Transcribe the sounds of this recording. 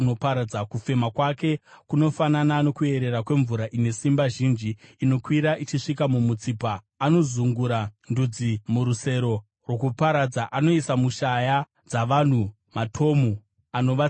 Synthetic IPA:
no̞paɾad͡zakufe̞makwake̞kuno̞fananano̞kue̞ɾe̞ɾakwe̞ɱvuɾaʔine̞simbaʒind͡ʒiːno̞kwiɾaʔit͡ʃiʂikamumut͡siːpaː | no̞zuŋɡuɾandud͡zimuɾuse̞ɾo̞ | rwokupaɾad͡zaʔano̞isamuʃaja | d͡zaʋan̤u | matʰo̞mu | ano̞ʋa

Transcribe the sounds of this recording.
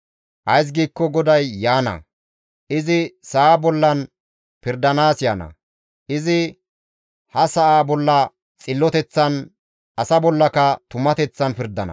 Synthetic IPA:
ʔɐjs̬ɡiːkːɔɡɔd̪ɐjːaːnɐ̰ | ʔɪzɪsaabɔlːɐn | pɪɾd̪ɐnaːsjaːnɐ̰ | ʔɪzɪ | hɐsɐʔaːbɔlːɐ | t͡sʼɪlːɔt̪ɛt͡sːɐn | ʔɐsɐbɔlːɐkɐt̪ʊmɐt̪ɛt͡sːɐnpɪɾd̪ɐnɐ̰

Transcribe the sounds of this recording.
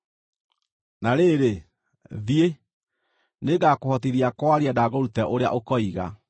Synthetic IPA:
naɾeɾe | ðie | neɡakohɔtiðiakwaɾiadaɣoɾutɛʔoɾea̰ʔokɔiɣa̰

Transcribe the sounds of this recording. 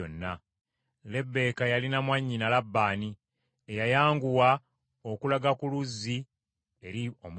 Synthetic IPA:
o̰nːa | le̞bːe̞ːkajalinamwaɲːinalabːaːni | ejajaːŋɡuwa | o̞kulaɡakuluzːi | e̞ɾiom

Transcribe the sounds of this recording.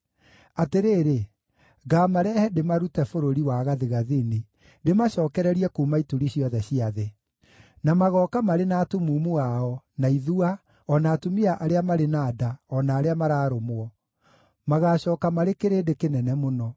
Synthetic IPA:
ateɾeːɾe | ɡaːmaɾɛhɛdemaɾutɛfoɾoɾiwaɣaðeɣaðene | demaɕɔːkɛɾɛɾiɛkomaitoɾiɕiɔðɛɕiaðe | namaɣɔkamaɾenaːtumumuaɔ | naiðua | ɔnaːtumiaʔaɾeamaɾenaːdaɔnaːɾeamaɾaːɾomwɔ | maɣaːɕɔːkamaɾekeɾeːdekenɛnɛmonɔ

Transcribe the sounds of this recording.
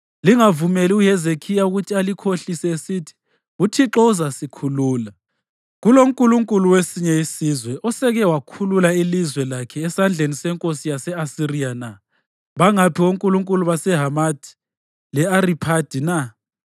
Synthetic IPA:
liŋavumeliuɦɛzekʰijauɣutʰialikʰoɬisɛesitʰi̥ | utʰiǁɔuzasikʰuluːla | ɣuloŋkʼuluŋkʼuluwesiɲɛjisizwɛʔɔsɛɣɛwakʰululailizwɛlakʰɛːsand͡ɮʱenisɛŋkʼosijasɛasirijana | βaŋapʰioŋkʼuluŋkʼuluβasɛɦamad̥ʱi̥ | lɛaripʰad̥ʱina

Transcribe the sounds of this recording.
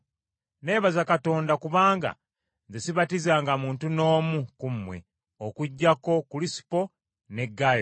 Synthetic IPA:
ne̞ːβazakato̞ːndakuβaːŋɡa̰ | nzesiβatizaːŋɡamuːntuno̞ːmukumːwe̞̰ | okuɟːako̞kulisi̥po̞ | ne̞ɡaj

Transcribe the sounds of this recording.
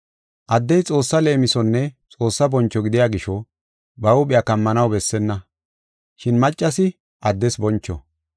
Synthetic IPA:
ʔɐd̪ːɛjt͡sʼo̞ːsːɐle̞ːmɪsɔnːɛt͡sʼo̞ːsːɐbɔnt͡ʃːɔɡɪd̪ɪjaːɡɪʃɔ | bɐʊɓʼɪjakɐmːɐnɐwbɛsːɛnːɐ | ʃɪnmɐt͡ʃʼːɐsɪ | ʔɐd̪ːɛsbɔnt͡ʃːɔ̰

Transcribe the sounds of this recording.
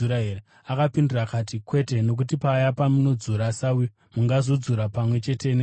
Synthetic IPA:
uɾaɦeɾe | akapindirakatikwe̞te̞no̞k̬ut̬ipaːjapamuno̞d͡zuɾasawi | muŋɡazo̞d͡zuɾapamwe̞t͡ʃe̞te̞ne

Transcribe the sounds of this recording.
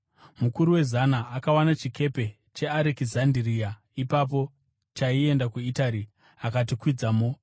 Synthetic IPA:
mukuɾuwe̞zanaːkawanat͡ʃike̞pe̞ | t͡ʃe̞aɾekizandiria | ipap̬o̞ | t͡ʃaie̞ndakuitaɾi | akat̬ikwid͡zamo

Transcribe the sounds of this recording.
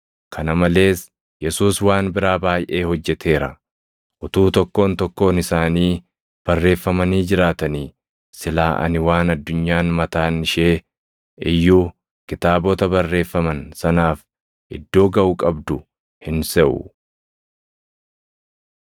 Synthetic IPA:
kʰɐnɐmɐle̞ːs | jɛsuːswaːnbɪɾaːbaːjʔe̞ːhɔd͡ʒːɛt̪ʰe̞ːɾɐ̰ | ʔʊt̪uːt̪ɔkːo̞ːnt̪ɔkːo̞ːnɪsaːniː | b̥ɐrːe̞ːfːɐmɐniːd͡ʒɪɾaːt̪ɐniː | sɪlaːʔɐ̰nɪwaːnɐd̪ːʊɲːaːnmɐt̪aːnɪʃeː | ɪjːuː | kɪt̪aːbɔt̪ɐbɐrːe̞ːfːɐmɐnsɐnaːf | ʔɪd̪ːo̞ːɡɐʔʊkʼɐbd̪ʊ | hɪnsɛʔʊ̰

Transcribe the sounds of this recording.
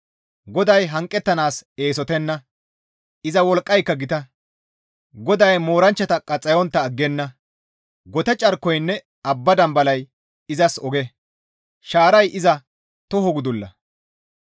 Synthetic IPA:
ɡɔd̪ɐjɦɐŋkʼːɛt̪ːɐnaːse̞ːsɔt̪ɛnːɐ | ɪzɐwɔlkʼːɐjkːɐɡɪt̪ɐ | ɡɔd̪ɐjmo̞ːɾɐnt͡ʃːɐt̪ɐkʼːɐt͡sʼːɐjɔnt̪ːɐːɡːɛnːɐ | ɡɔt̪ɛt͡ʃʼɐɾkːɔjnːɛ | ɐbːɐd̪ɐmbɐlɐj | ɪzɐsɔɡɛ | ʃaːɾɐjʔɪzɐ | t̪ɔɦɔɡʊd̪ʊlːɐ̰

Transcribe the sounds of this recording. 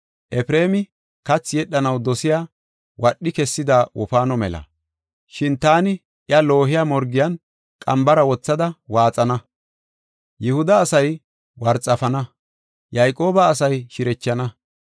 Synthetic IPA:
ʔɛfɾe̞ːmɪ | kɐt͡sːjɛɗːɐnɐwd̪ɔsɪjaː | wɐɗːɪkɛsːɪd̪aːwɔfaːnɔmɛ̰lɐ̰ | ʃɪnt̪aːnɪ | ʔɪɐlo̞ːɦɪjaːmɔɾɡɪjɐn | kʼɐmbɐɾɐwɔt͡sːɐd̪ɐwaːt͡sʼɐnɐ | jɛhʊd̪ɐːsɐj | wɐɾt͡sʼɐfɐnɐ | jɐjkʼo̞ːbɐːsɐjʃɪɾɛt͡ʃːɐnɐ

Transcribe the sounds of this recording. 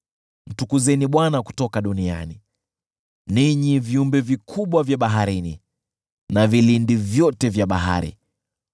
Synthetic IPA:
n̩tukuzɛniɓwanaku̥tɔkaɗunia̰ni | niɲiviumbɛvikʰuɓwavjaɓaɦaɾinḭ | navilindivjɔtɛvjaɓa̰ɦa̰ɾḭ

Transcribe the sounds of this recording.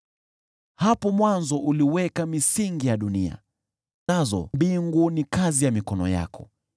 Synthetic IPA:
hapɔmwanzɔʔuliwɛkamisiŋɡijaɗunia̰ | nazɔ̰mbiŋɡunikazijamikɔnɔ̰ja̰kɔ̰

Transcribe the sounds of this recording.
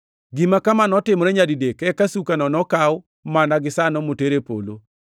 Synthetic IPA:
ɡimakamanɔtɪmɔɾɛɲadidekɛkasukanɔnɔkawʊ | manaɡɪsanɔmoteɾepo̰lo

